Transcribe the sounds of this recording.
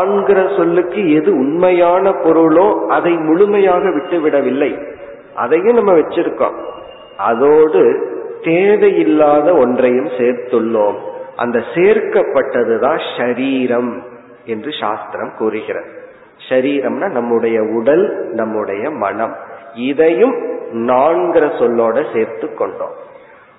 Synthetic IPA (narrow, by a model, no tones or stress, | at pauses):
aːnɡɪɾɐsɔlːɯkːɯɛðɯʊnmɐjaːnɐpɔɾɯɭoːɐðɐɪmʊɻʊmɐjaːɣɐʋɪʈːɯʋɪɽɐʋɪlːɐɪ | ʔɐ̰ðɐjɯ̃nɐmːɐʋɛt͡ʃːɪɾɯkːõ̰ːm | ʔɐðoːɽɯt̪eːðɐjɪlːaːðɐɔndrɐjɯmseːɾt̪ɯɭːoːmʔɐ̰nd̪ɐseːɾkɐpːɐʈːɐðɯðãːʃʂɐɾiːɾɐm | ɛndrɯʃa̰ːst̪ɪɾɐmkuːɾɯɣɪɾɐ̰ðɯ | ʂɐɾiːɾɐmnaːnɐmːɯɽɐjɐʊɽɐlnɐmːɯɽɐjɐmɐ̰ɳɐmɪðɐjɯmnaːɳɡɪɾɐsɔlːoːɽɐseːɾt̪ɯkːɔɳɖo̰ːm